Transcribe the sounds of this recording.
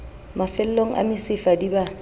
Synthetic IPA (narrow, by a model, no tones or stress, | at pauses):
mafɪl̩loŋ̩ʔa̰mɪsɪfadiba